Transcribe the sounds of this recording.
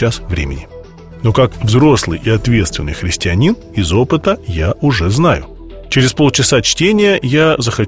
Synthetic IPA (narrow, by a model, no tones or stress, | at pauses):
asvɾʲḛmʲɪ̰nʲɪ | no̞kakvzɾo̞slˠɨ̰jʔɪɐt̪vʲe̞t̪st̪vʲɪnːɨjxɾʲɪsʲtʲɪɐnʲin | ɪzo̞pɨt̪əjaʔʊʐɛznajʊ | t͡ɕɪɾʲɪspo̞lˠt͡ɕɪsat͡ɕtʲenʲɪjəjazəxɐ